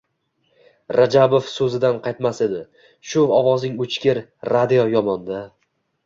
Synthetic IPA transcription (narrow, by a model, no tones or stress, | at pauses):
ɾad͡ʒabofsɵzɪd̪anqʰɑjt̪mased̪ɪ | ʃʊɒvɒznɪŋʊt͡ʃʰkʲɪɾːad̪ijojɒmɒnd̪a